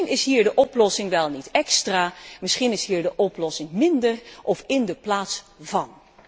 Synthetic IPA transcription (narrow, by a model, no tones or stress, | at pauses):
nɪsɦiːɹdəʔɔplɔsɪŋʋɛlˠnitɛkstraːmɪsχinɪsɦiːɹdəʔɔplɔsɪŋmɪndərʔɔfɪndəplaːtsvɑn